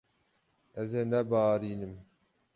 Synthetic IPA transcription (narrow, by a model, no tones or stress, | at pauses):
ɛzeːnɛbɑːɾiːnɨm